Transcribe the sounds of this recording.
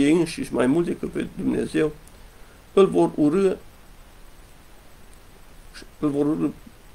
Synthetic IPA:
eɨnʃiʃmajmult̪d̪ekɨt̪̚pe̞̰d̪umne̞̰ze̞w | ɨlvo̞ruɾɨ | ɨlvoɾuɾɨ

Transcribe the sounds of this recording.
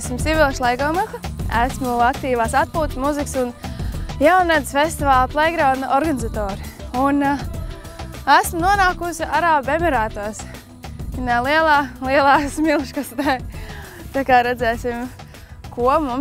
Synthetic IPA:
simsivilˠʃlˠɛjɡɔːmaxaæ̰smuakt̪iːvaːsat̪̚puːt̪smuziksunjawnɾad̪z̥fest̪ivaːlˠplˠɛɡɾɔːnʔɔɾɡanɪzat̪ɔːɾɪun | æsmunuɔnaːkusiaɾaːbɛmɛɾaːt̪ɔɔs | inalˠiɛlˠaːlˠiɛlˠaːksmilˠʃkast̪ɛ | t̪akaːɾɛd̪zɛːsim | kuɔmum

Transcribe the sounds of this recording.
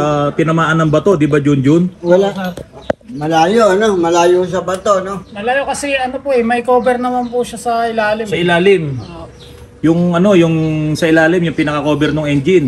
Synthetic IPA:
pɪnɐmaːʔɐnːɐŋbɐt̪o̞d̪ɪbad͡ʒʊnd͡ʒʊnwɐla | mɐlaːjoɐnomɐlaːjos̬ɐbɐt̪onomɐlaːjokɐsɛʔɐnopoʔɛmɐjkoːbɛɾnɐmanpʊʃasɐʔɪlaːlɪmsɐʔɪlaːlɪm | jʊŋʔɐno̞jʊŋsɐʔɪlaːlɪmjʊŋpɪnɐkɐko̞ːbɛɾnʊŋʔɛnd͡ʒɪn

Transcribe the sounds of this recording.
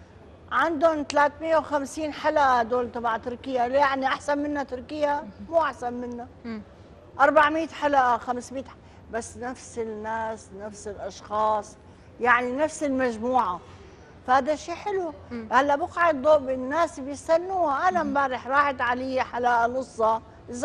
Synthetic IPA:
ʕand̪ʊnt̪alaːt̪mɪjːawxamsiːnħalʔad̪oːlt̪ˤɑbʕt̪ʊɾkɪjːaljaʕniʔaħsanmɪnːat̪ʊɾkɪjːamuːʔaħsanmɪnːa | ʔɑɾˤbaʕmiːt̪ħalʔaxamsmiːt̪ | basːnafsɪnːaːsnafsɪlʔɑʃxɑːsˤ | jaʕninafsɪlmaʒmuːʕa | fahaːd̪aʃiːħɪluhalːaʔbʊqʕɪd̪d̪ˤoːʔbɪnːaːsbjɪst̪anːuːhaʔanambaːɾɪħɾˤɑːħɪt̪ʕalɪjaħalaːʔanʔʊsˤːɑ | ʔɪzː

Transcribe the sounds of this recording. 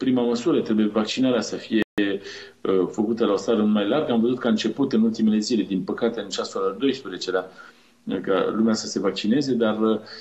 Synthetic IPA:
pɾimaməsuɾət̪ɾe̞buje̞vak̚t͡ʃinaɾeasəfije̞ | əfəkut̪əlao̞st̪aɾəmajlarɡamvəzut̪̚kəaɨnt͡ʃe̞put̪ɨnult̪ime̞le̞zile̞d̪inpəkat̪e̞ɨnt͡ʃasoɾad̪o̞jspɾezet͡ʃe̞la | ka̰lumeasəse̞vak̚t͡ʃine̞ze̞d̪arə

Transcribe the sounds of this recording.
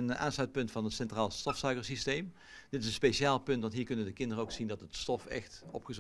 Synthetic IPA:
ənaːnslœɥt̚pɵntfɑnɦətsɛntraːlˠstɔfsœɥkəɹsistejm | d̥ɪtɪsənspeʃaːlˠpɵntʋɑntɦiːɹkɵnəndəkɪndərəowksindɑtətstɔfɛ̰xtɔ̰pχəz

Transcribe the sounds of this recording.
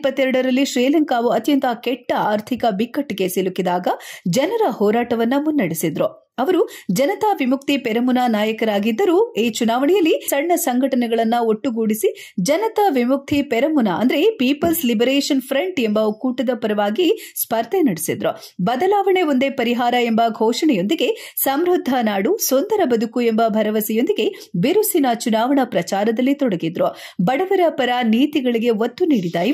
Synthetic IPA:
pːɐt̪ːɛɾɐɽɐɾɐlːiʃɾiːlɐŋkaːʋuɐt̪jɐnt̪ɐkɛʈːɐaːɾt̪ʰikɐbikːɐʈːike̞silukid̪aːɡɐd͡ʒɐnɐɾɐhɔːɾaːʈɐʋɐnːɐmunːɐɽisid̪ɾu | ɐʋɐɾud͡ʒɐnɐt̪aʋimukt̪ipɛɾɐmunanaːjɐkɐɾaːɡid̪ːɐɾueːt͡ʃunaːʋɐɳɛjɐlːisɐɽɳɐsɐŋɡʱɐʈɐnɛɡɐɭɐnːɐoʈːuɡuːɽisi | d͡ʒɐnɐt̪ɐʋimuk̚t̪ʰipɛɾɐmunaɐnd̪ɐɾe̞piːpɐlslibɐɾeːʂɐnpʰɾɐɳʈembɐkuːʈɐd̪ɐpɐɾɐʋaːɡispɐɾt̪enɐɽisid̪ɾu | bɐd̪ɐlaːʋɐɳeo̞nd̪e̞pɐɾiɦaːɾɐembɐɡʱɔːʂɐɳɛjo̞nd̪iɡe̞sɐmɾud̪ʱːɐnaːɽusond̪ɐɾɐbɐd̪ukuembɐbʱɐɾɐʋɐsɛjo̞nd̪iɡe̞ | beɾusinɐt͡ʃunaːʋɐɳɐpɾɐt͡ʃaːɾɐd̪ɐlːit̪ɔɽɐɡid̪ɾu | bɐɽɐʋɐɾɐpɐɾɐniːt̪iɡɐɭiɡe̞ʋot̪ːuniːɽid̪aːji

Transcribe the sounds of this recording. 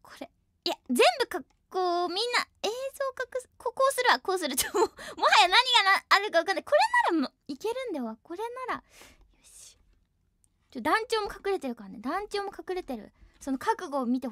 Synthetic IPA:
kʰo̥ɾe̞ | ijazẽ̞mbɯ̟kakːoːmʲĩnːae̞ːzo̞ːkakɯ̟skʰoko̞ːsɨɾɯ̟akoːsɨɾɯ̟t̪omomohajanaɲ̟iɡanaːɾɯɯkaβakanːai̥ko̞ɾe̞naɾamo | ike̞ɾɯ̟̃nd̪aβako̞ɾe̞naɾa | joɕi̥ | t͡ɕot̪ːd̪ãɲ̟t͡ɕo̞ːmo̞kḁkɯ̟ɾe̞t̪e̞ɾɯ̟kaɾaned̪ãɲ̟t͡ɕo̞ːmo̞kakɯ̟ɾe̞t̪e̞ɾɯ̟̰so̞no̞kakɯ̟ɡo̞ːmʲit̪e̞

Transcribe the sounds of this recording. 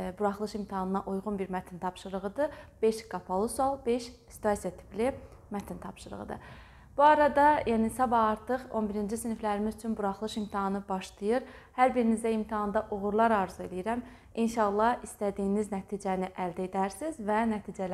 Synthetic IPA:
buɾɑχlˠɯʃimt̪ʰihɑnɯnɑʔujʁunbiɾmæt̪ʰint̪ʰɑpʃɯɾɯʁɯd̪ɯb̥e̞ʃɡɑpʰolˠusɑlˠbe̞ʃ | si̥t̪ʰɑsijɑt̪ʰi̥pli | mæt̪ʰint̪ʰɑpʃɯɾɯ̰ʁɯ̰d̪ɯ̰ | b̥uɑɾɑd̪ɑjænisɑbɑɑɾt̪ʰɯχo̞nbiɾind͡ʒisiniflæɾimizyt͡ʃʰynbuɾɑχlˠɯʃimt̪ʰiɑnɯbɑʃlˠɯjɯɾ | hæɾbiɾinizd̪æimt̪ʰiɦɑnd̪ɑʔuɣuɾlˠɑɾɑɾzue̞lijiɾæm | inʃɑlˠːɑist̪æd̪iːniznæt̪ʰiːd͡ʒæniʔæld̪æed̪æɾsizvænæt̪ʰiːd͡ʒæl

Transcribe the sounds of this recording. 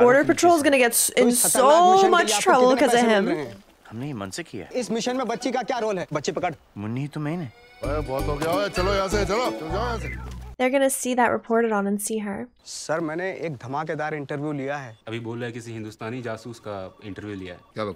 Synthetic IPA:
bɔːɹɾə˞pɛtʰɹoːlˠzɡʌnəɡɛtsɪ̃nssomʌt͡ʃtʰɹʌbəlˠkʌzəɦɪ̃m | hɐmnejimɐ̰̃nsɪkʰːḭja̰ːɪsmɪʃənmẽbɐtːʃikakjaːɾoːlɦɛːbɐtːʃipɐkəɽ | mʊnːiit̪ʊmɛinɛ | ɐbɔːt̪oɡjaoet͡ʃɐlojãːs̬et͡ʃɐlot͡ʃɐd͡ʒaːjãseðəɹɡʌnəsiːðəʔɹʔɪ̰pʰɔːɹɾəɾn̩ə̃nsiɦə˞ | sɐɾmɛ̃ːneeːk̚d̪ʱɐmaːked̪aːɾɪ̃ɳʈəɾʋjulijaɦɛːɐbʱiboːlaekɪsiɦɪ̃nd̪ust̪aːnid͡ʒaːsuːskaɪ̃ɳʈəɾʋjulija̰ɦɛ̰ːkao

